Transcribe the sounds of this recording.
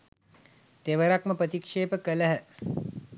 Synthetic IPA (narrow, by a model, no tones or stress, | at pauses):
t̪eʋəɾakməpɾət̪ikʂeːpəkələɦə